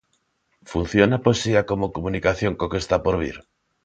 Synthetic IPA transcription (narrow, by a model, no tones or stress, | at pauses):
fun̟θjonaposiakomokomũnikaθjoŋkokest̪apoɾβ̞ḭɾ